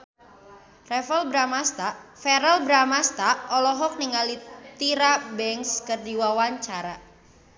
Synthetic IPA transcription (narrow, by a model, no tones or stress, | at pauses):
rɛfɛlbɾamast̪afɛɾəlbɾamast̪aʔɔlɔɦɔk̚niŋalit̪iɾabɛŋskərdiwawaɲt͡ʃaɾa